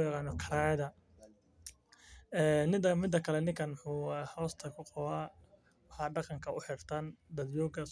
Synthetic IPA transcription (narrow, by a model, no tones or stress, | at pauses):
jɑqɑːnɔkʰɐɾaːjɐðɐ | ɛːnɪd̪ɐmɪd̪ːɐkʰɐlɛnɪŋkʰɐnmʊħuːɛhɔwst̪ʰɐkʰʊqɔwaː | wɑħɑːɖɑqɑŋkʰɐʊħɪrt̪ʰɐnd̪ɐd̪jɔːɡɐ